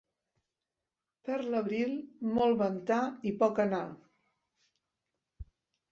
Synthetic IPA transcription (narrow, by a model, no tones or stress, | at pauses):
pəɾləβɾilˠmɔlˠβənt̪aipɔkəna